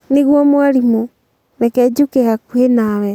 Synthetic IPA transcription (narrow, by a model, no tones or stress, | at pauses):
neɣwɔmwaɾimo | nɛkɛd͡ʑukeɣakuenawɛ